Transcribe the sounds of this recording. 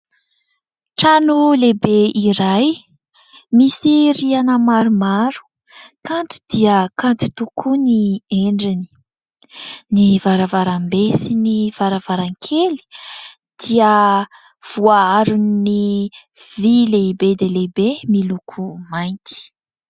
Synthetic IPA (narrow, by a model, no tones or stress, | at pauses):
ʈ͡ʂanulebeiɾaj | misirianəmaɾumaɾu̥ | kant̪u̥d̪̥iəkant̪u̥t̪ukʰunieɳɖ͡ʐini̥ | nivaɾavaɾambesiniv̥aɾavaɾaŋkʰeli̥ | d̪̥iə | v̥uaaɾunni | vileibed̪elebemilukʰumajnt̪i̥